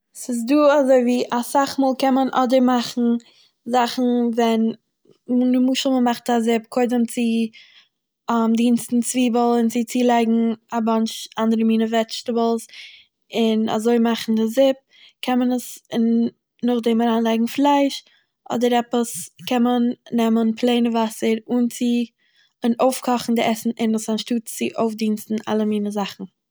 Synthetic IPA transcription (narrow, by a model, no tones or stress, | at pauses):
sɪs̬duːazoɪviːʔasaχmuːlˠkɛnmənʔɔ̰dəɾmaχn̩ | zaχn̩vɛn | munəmuːʃəlˠməmaχtazɪp̚kʰoɪdəmt͡sɪ | amdiːnstn̩t͡sviːbəlˠɪnt͡sɪt͡siːlˠaɪɡŋ̩abant͡ʃandəɾəmiːnəvɛt͡ʃtəbəl̩ˠs | ɪna̰zoɪmaχn̩dɪzɪp̚ | kʰɛnmənəsɪnː | ʊχdɛmaɾaːnlˠaɪɡŋ̩flˠaɪʃ | ʔɔ̰dəɾɛpəskʰɛnmənːɛmənpʰlˠeɪnəvasəɾʊnt͡sɪ | noʊfkʰɔχn̩dɪʔɛsn̩ɪnəsanʃtuːtt͡sɪʔoʊfdiːnstn̩a̰lˠəmiːnəzaχn̩